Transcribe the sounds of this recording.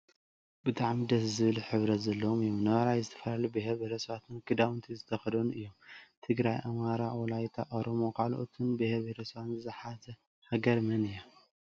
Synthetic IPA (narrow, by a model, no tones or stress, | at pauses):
bɨt̪ʰʼaʕmid̪ɐszɨβɨliħɨβɾɐt̪zɐlːɐwomɨjːomnɐβaɾajzɨt̪ʰɐ̥fɐlalubeheɾβeɾɐsɐβat̪ʰɨnkʰɨd̪awnt̪ʰizɨt̪ʰɐxɐlɐnuɨjːomt̪ʰɨɡɾajʔamaɾawɔlajt̪ʰa̰ʔoɾomo̞kʰalʔot̪ʰɨnbeheɾβeɾɐsɐβat̪nzɨzɨħazɐ | hɐɡɐɾmɐnɨjːa